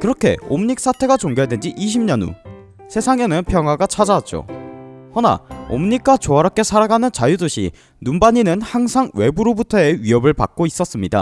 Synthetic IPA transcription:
kɯɾʌkʰe̞̰omɲik̚s͈atʰe̞ɡat͡ɕoŋɡojadwe̞nd͡ʑiʔiɕ̬ʰimɲʌnṵ | sʰe̞sʰaŋenɯnpʰjʌŋɦwaɡat͡ɕʰad͡ʑat̚t͡ɕ͈o̰hʌna̰o̰mɲik͈at͡ɕoaɾak͈e̞sʰaɾaɡanɯnt͡ɕajudoɕʰḭ | numbaɲinɯnhaŋsʰaŋwe̞buɾobutʰʌeɥiʌbɯɭpa̰k̚k͈ois͈ʌs͈ɯmɲida̰

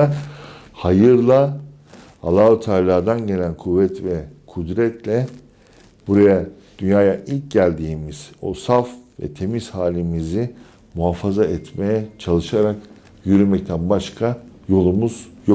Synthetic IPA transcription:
hajɯɾlˠa | a̰lˠaːɯt̪ʰaɾlʲˠaːd̪anɟe̞lʲænkʰuvːɛt̪vɛkʰud̪ɾɛt̪lʲɛ | b̥uɾajad̪̥ynjaːjaʔilʲc̚ɟælʲd̪iːmiz̥o̞safvɛ̰t̪ʰe̞mizhaːlʲimizi | muɦafazaʔɛt̪me̞jɛt͡ʃʰalˠɯʃaɾak | jyɾymɛct̪ʰænbaʃkʰajo̞lˠumuz̥jo

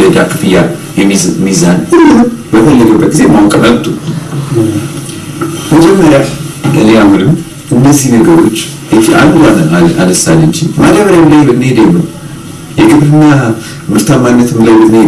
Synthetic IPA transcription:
əd̪akʰɨ̥fɨjːa̰ | jɛmizanɨnːɨnɨmbət̪ʰəlːəɡəbːət̪̚ɡize̞mawkʼəməlt̪ʰʼu | məd͡ʒɛmːəɾjad̪əlejamːɨnɨm | ʔɨnːəzːihnəɡəɾo̞t͡ʃː | ʔet̪iʔa̰nd̪anənaaləsa̰lːɨnt͡ʃimad̪aβəɾamlajmɨt̪nehed̪əjnːəw | jɛɡɨβɾɨnːa | mɨɾt̪ʰamːanːət̪ʰɨmlajmɨt̪ne

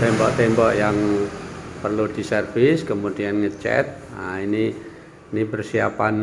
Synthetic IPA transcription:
t̪ɛmbɔʔt̪ɛmbɔʔjaŋ | pərlud̪̥i̤sərfɪskəmud̪̥ianŋət͡ʃɛ̰t̪̚a̰ini | nipərsiapan

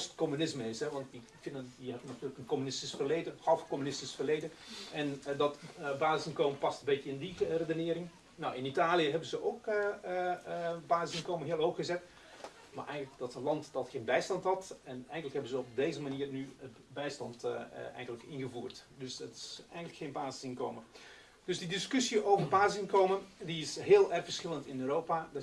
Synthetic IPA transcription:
stkɔmynɪsməɪsɦɛʋɑnti | fɪndəəɦɛbnatyːləkənkɔmynɪstisfərleːdəxɑlˠfkɔmynɪstisfərlejdəɛndɔtbaːzɪsɪnkowməpɑstənbɪtəɪndiredənɪːɾɪŋ | nowɪnitaːlijəɦɛbənzəʔowk | baːzɪsɪnkowməɦɪəlˠɦowxɣəzɛt | ma̰ɹʔɛjŋələk̚dɑtənlɑntdɑtxeːnbɛjstɑntɦɑtɛnɛjŋələkhɛbənzəɔb̚deːzəmaniːərnyə | bɛjstɑntɛ̰jɣənləkɪnɣəvuːrtdøsətɪ̥sɛ̰jŋələkxeːnbaːzɪ̥sɪnko̰ːmə | døsdidɪskøsiʔoːvərbaːzɪsɪnkowmədiɪsɦɪəlˠɛrxfərsxɪlˠəntɪnøːɾowpad

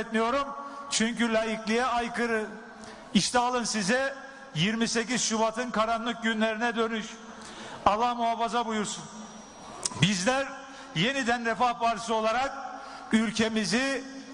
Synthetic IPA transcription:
t̪mijo̞ɾumt͡ʃʰyɲcylʲaːjiclʲijɛajkɯɾɯ | iʃt̪ʰɛalˠɯnsizɛ | jiɾmise̞ciz̥ʃubat̪ʰɯnkʰaɾanlˠɯk̚ɟynlʲe̞ɾinɛd̪ø̞nyʃ | alˠːahmuafazabujuɾsun | bizlʲæɾ | je̞nid̪ænɾɛfavaɾsɯo̞lˠaɾak̚ | ylʲcʰe̞mizi

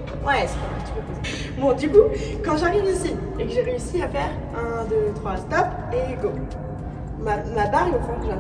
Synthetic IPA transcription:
wɛsɛ̥t̪ɛ̃ɛ̰̃pt̪i̥pøpoz | bɔ̃d̪ykukɑ̃ʒaʁivisi | ekəʒeʁeysiafɛʁ | ɛ̃d̪ət̪χwast̪ɔp | eko | mamabaʁməpχɑ̃kəʒa

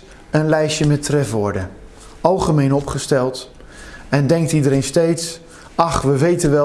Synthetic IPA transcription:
ənlɛjʃəmɛtrɛfʋɔɹdə | ɑlˠχəmejnɔpχəstɛlˠt | ɛndɛŋk̚tidəɾejnstejts | ɑχʋəʋejtənʋɛ

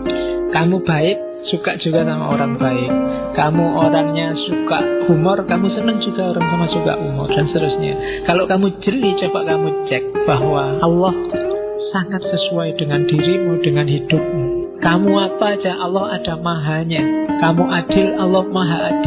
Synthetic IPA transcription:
kamub̥aɪp̚sukaʔd͡ʒ̥uɡ̥asama̰ʔo̰ɾaŋb̥aɪp̚ | kamuʔoɾaŋɲasukaʔɡ̥umʊrkamusənəŋd͡ʒuɡ̥aoɾaŋsamasuka̰ʔɡ̥umʊrd̥anst̪əɾʊsɲa̰ | kaloʔkamud͡ʒ̥əlit͡ʃobaʔkamut͡ʃɛk̚b̥aɦwaːlːɔh | saŋat̪̚səsuaid̥əŋandiɾimudəŋanhid̥ʊp̚mu | kamuapad͡ʒaʔɑlːɔhad̥amaɦaɲakamuʔad̥ɪlalːɔhmaɦaʔːd̥ɪl

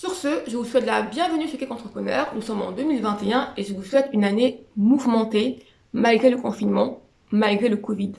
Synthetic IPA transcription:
syʁsəʒəvuswɛt̪labjɛ̃vənysəkʲɛkɑ̃t̪χəpχənœːʁnusɔmɑ̰̃d̪ømilvɛ̃t̪eɛ̃eʒəvuswɛt̪ynanemuvmɑ̃t̪e | malɡʁeləkɔ̃finmɑ̃ | malɡʁeləkɔvid̪

